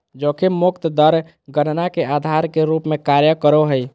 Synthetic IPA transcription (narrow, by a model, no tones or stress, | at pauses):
d͡ʒokemukt̪d̪əɾ | ɡənnakead̪ʱaɾkeɾupmekaɾjəkəɾoɦəj